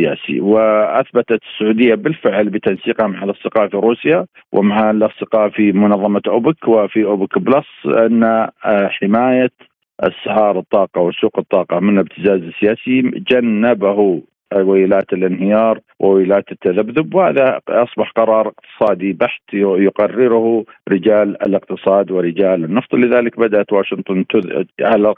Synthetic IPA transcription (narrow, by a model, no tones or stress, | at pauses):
ja̰ːsḭwɪʔaθbat̪at̪sːʊʕuːd̪ɪjːabɪlfɪʕlbɪt̪ansiːqhamaʕalʔɑsˤd̪ɪqɑːʔfiɾuːsja | wʔɪ̰maʕalʔɑsˤd̪ɪqɑːfimʊnɑðˤːɑmaʔʊbɪkwɪfiʔʊbɪkblɑsˤʔa̰nːaħɪmaːja | ʔɪ̰sːaʕɑːɾˤɨt̪ˤːɑːqɑwɪsːuːqɨt̪ˤːɑːqɑmɪnɪb̚t̪ʰɪzaːzɪsːɪjaːsid͡ʒanːabaɦu | wɪlaːt̪ɪlʔɪnɦɪjɑːɾˤ | wʔɪwilaːt̪ɪt̪ːaðabðʊbwha̰ːðaʔɑsˤbɑħqɑɾˤɑːɾˤɪq̚t̪ɨ̥sˤɑːd̪ibaħt̪jʊqɑrːɪɾhɾɪd͡ʒaːlɪ̰lɪq̚t̪ɨsˤɑːd̪wɪɾɪd͡ʒaːlɪnːɑft̪ˤlɪðaːlɪkbad̪aʔat̪waːʃɪnt̪ˤʊnt̪ʊ̰ʕala